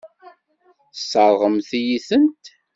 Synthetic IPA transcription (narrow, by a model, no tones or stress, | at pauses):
θsːəɾˤʁəmθijiθənt̪